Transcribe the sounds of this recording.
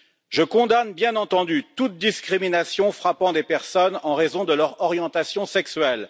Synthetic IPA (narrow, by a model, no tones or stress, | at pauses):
ʒəkɔ̃d̪anbjɛ̃nɑ̃t̪ɑ̃d̪yt̪ut̪̚d̪iskχiminasjɔ̃fχapɑ̃d̪epɛʁsɔnɑ̃ʁezɔ̃d̪əlœʁɔʁjɑ̃t̪asjɔ̃sɛksɥɛl